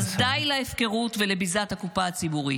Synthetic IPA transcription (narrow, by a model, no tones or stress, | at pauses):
zd̪ajlaefke̞ʁutvelebizat̪hakupaːt͡sibuʁi